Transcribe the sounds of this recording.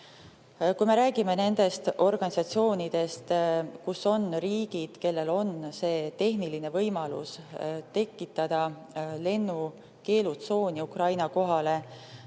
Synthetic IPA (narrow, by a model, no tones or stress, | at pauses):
kujme̞ɾæːɡ̥ime̞ne̞nd̪̥e̞st̪ʔo̞rɡ̥ɑnʲisɑt̪sio̞ːnid̪̥e̞st̪kusːo̞nriːɡ̥id̪̥ke̞lːe̞lo̞nse̞ːt̪e̞ɦniline̞vɤjmɑlṵst̪e̞kːˑit̪ːˑɑd̪̥ɑ | le̞nːu | ke̞ːlut̪so̞ːniukrɑjnɑko̞ɦɑle̞